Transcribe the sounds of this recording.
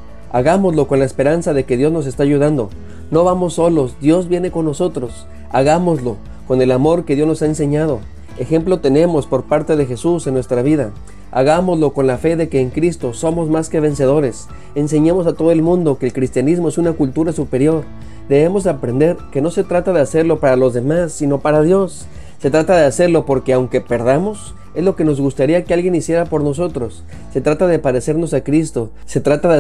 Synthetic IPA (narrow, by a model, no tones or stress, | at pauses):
aɣamo̞zlo̞ko̞nlaespe̞ɾansaðeke̞ðjo̞zno̞s̬e̞st̪aːʝuðand̪o̞̰ | no̞βamo̞sːo̞lo̞sd̪jo̞zβje̞ne̞ko̞nːo̞so̞t̪ɾo̞s | aɣamo̞zlo̞ | ko̞ne̞lamo̞ɾke̞ðjo̞zno̞saense̞ɲað̞o̞ | e̞xe̞mplot̪e̞ne̞mo̞spo̞ɾpaɾt̪eðe̞xe̞suse̞nːwe̞st̪ɾaβ̞iða | a̰ɣamo̞zlo̞ko̞nlafe̞ðe̞ke̞ːŋkɾist̪o̞so̞mo̞zmaske̞β̞e̞nse̞ð̞o̞ɾe̞s | e̞nse̞ɲemo̞sat̪o̞ð̞oe̞lmũnd̪o̞ke̞ːlkɾist̪janizmo̞e̞sunakult̪uɾasupe̞ɾjo̞ɾ | d̪e̞βe̞mo̞zeapɾe̞nd̪e̞ɾke̞no̞se̞t̪ɾat̪aðe̞ase̞ɾlo̞paɾalo̞zðe̞masːino̞paɾaðjo̞sː | e̞t̪ɾat̪aðe̞ase̞ɾlo̞po̞ɾke̞awŋke̞pe̞ɾðamo̞s | e̞zlo̞ke̞no̞zɣust̪aɾiakealɣje̞nisje̞ɾapo̞ɾno̞s̬o̞t̪ɾo̞sː | e̞t̪ɾat̪aðe̞paðe̞se̞ɾno̞sakɾist̪o̞ | se̞t̪ɾat̪a